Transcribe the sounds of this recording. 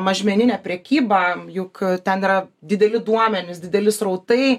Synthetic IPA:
mɐʒʲmʲɛnʲɪnʲæpʲɾʲɛkʲiːbɑjʊkt̪ʲɛniːɾɐd̪ʲɪd̪ʲɛlʲɪd̪uɔmʲɛnʲɪsd̪ʲɪd̪ʲɛlʲɪsrɐʊt̪ɐɪ

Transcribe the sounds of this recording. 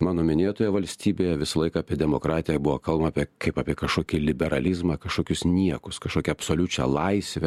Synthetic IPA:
mɑːnoːmʲɪnʲeːt̪oːjɛʋɐlʲsʲt̪ʲiːbʲeːjɛʋʲɪsɐlˠɐɪkɐɑːpʲiɛd̪ʲɛmoːkɾɑːt̪ʲɪjɛbʊʋokɐlˠbɐmɐːpʲɛkʰɐɪpɑːpʲiɛkɐʃkoːkʲilʲɪbʲɛɾɐlʲɪzmɑkɐʃkoːkʲʊsnʲiɛkʊskɐʃkoːkʲɛɐpsoːlʲʊt͡ʃʲɛ̰lˠɐɪsʲʋʲɛ

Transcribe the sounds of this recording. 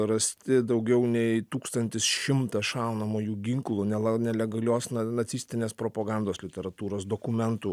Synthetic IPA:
ɾɐsʲt̪ʲɪd̪ɐʊɡʲɛʊnʲɛɪt̪uːkst̪ɐnʲt̪ʲɪsʃʲɪmt̪ɐʃɑʊnɐmoːjuːɡʲɪŋklˠuːnʲɛlɐnʲɛlʲɛɡɐlʲoːsnɐnɐt̪sʲiːsʲt̪ʲɪnʲeːspɾoːpɐɡɑnd̪oːslʲɪt̪ʲɛɾɐt̪uːɾoːsd̪oːkʊmʲɛnt̪uː

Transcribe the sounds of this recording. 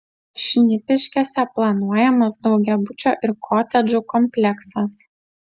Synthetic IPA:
ʃʲnʲɪpʲɪʃʲkʲɛsʲɛplˠɐnuɔjɛmɐsd̪ɒʊɡʲɛbʊt͡ʃʲoːʔɪɾkʰɔːt̪ʲɛd͡ʒʲʊkɔmʲpʲlʲɛksɐs

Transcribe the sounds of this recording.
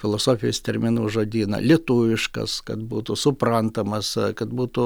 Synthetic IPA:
fʲɪlˠoːsoːfʲɪjoːst̪ʲɛɾʲmʲɪnuːʒoːd̪ʲiːnɐ̰lʲiɛt̪uʋʲɪʃkɐ̰skɐt̪buːt̪ʊsʊprɐnt̪ɐmɐskɐt̪buːt̪ʊ

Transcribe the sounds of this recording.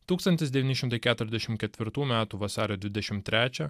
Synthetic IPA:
t̪uːkst̪ɐnʲt̪ʲɪsd̪ʲɛʋʲinʲɪʃʲɪmt̪ɐɪkʲæːt̪ʊɾʲɛzʲd̪ʲɛʃʲɪmkʲɛt̪ʲʋʲɪɾt̪uːmʲæːt̪uːʋɐsɑːɾʲoːd̪ʲʋʲɪd̪ʲɛʃʲɪmt̪ʲɾʲæːt͡ʃʲɛ

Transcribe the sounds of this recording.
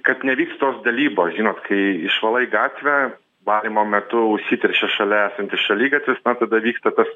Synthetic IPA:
kɐt̪nʲɛʋʲiːkst̪t̪oːsd̪ɐlʲiːboːsʒʲiːnoːt̪kʰɐɪɪʃʋɐlˠɐɪɡɑːt̪ʲʋʲɛ | ʋɑːlʲimoːmʲɛt̪ʊʊʃʲsʲiːt̪ʲɛɾʲʃʲɛsʃɐlʲɛæːsɐnʲt̪ʲɪsʃɐlʲiːɡɐt̪ʲʋʲɪsnɐt̪ɐd̪ɐʋʲiːkst̪ɐt̪ɐs

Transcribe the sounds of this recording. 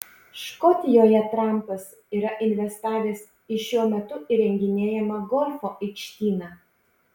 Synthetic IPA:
ʃkɔt̪ʲɪjoːjɛt̪ɾɑˑmˑpɐs | iːɾɐʔɪnʲʋʲɛst̪ɑːʋʲeːs | ɪʃʲuɔmʲɛt̪ʊʔiɾʲɛŋʲɡʲɪnʲeːjɛmɐɡɔlʲfoːʔɪkʃʲt̪ʲiːnɑː

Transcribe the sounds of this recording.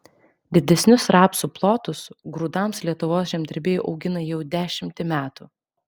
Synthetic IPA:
d̪ʲɪd̪ʲɛsʲnʲʊsɾɑːpsuːplˠoːt̪ʊsɡɾuːd̪ɑmslʲiɛt̪ʊʋoːsʒʲɛmʲd̪ʲɪɾʲbʲeːjuːʔɒʊɡʲɪnɐjɛʊd̪ʲæːʃʲɪmʲt̪ʲɪmʲæːt̪uː

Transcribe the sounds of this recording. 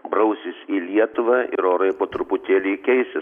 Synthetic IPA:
bɾɐʊsʲɪsʲiːlʲiɛt̪ʊʋɐʔɪ̰ɾoːɾɐɪpoːt̪ɾʊpʊt̪ʲeːlʲiːkʲɛɪsʲɪ

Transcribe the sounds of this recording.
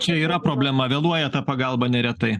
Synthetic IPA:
t͡ʃʲɛiːɾɐpɾoːbʲlʲɛmɐʋʲeːlˠuɔjɛt̪ɐpɐɡɐˑlˠbɐnʲɛɾʲɛt̪ɐɪ

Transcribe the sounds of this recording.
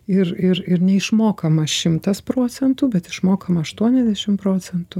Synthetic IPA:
ɪrɪɾɪɾnʲɛɪʃmoːkɐmɐʃʲɪmt̪ɐspɾoːt͡s̪ʲɛnt̪uːbʲɛt̪ɪʃmoːkɐmɐɐʃt̪uɔnʲɛzd̪ʲɛʃʲɪmpɾoːt͡s̪ʲɛnt̪u

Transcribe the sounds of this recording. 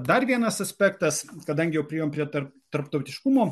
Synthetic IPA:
d̪ɐɾʋʲiɛnɐsɐsʲpʲækt̪ɐskɐd̪ɐŋʲɡʲɪjɛʊpʲɾʲɛjoːmpʲɾʲiɛt̪ɐrpt̪ɐɾpt̪ɐʊt̪ʲɪʃkʊmoː

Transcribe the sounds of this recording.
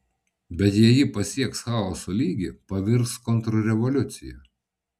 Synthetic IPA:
bʲɛt̪jɛjɪpɐsʲiɛksxɑːˑɔːsoːlʲiːɡʲɪpɐʋʲɪɾskɔnt̪ɾɔɾʲɛʋɔlʲʊt̪sʲɪjɛ

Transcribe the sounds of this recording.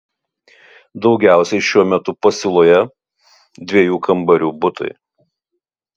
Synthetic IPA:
d̪ɒʊɡʲæˑʊsʲɛɪʃʲuɔmʲɛt̪ʊpɐsʲɪlˠoːjɛ | d̪ʲʋʲiɛjuːkɐmbɐɾʲuːbʊt̪ɐ̰ɪ

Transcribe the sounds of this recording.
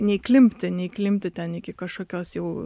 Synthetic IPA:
nʲɛiklʲɪmʲpʲt̪ʲɪnʲɛiklʲɪmʲpʲt̪ʲɪt̪ʲɛnɪkʲɪkɐʃkoːkʲoːsjɛʊ

